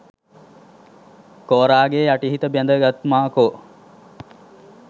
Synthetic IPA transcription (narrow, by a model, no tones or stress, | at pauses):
koːɾaːɡeːaʈiɦit̪əbjand̪əɡat̪maːko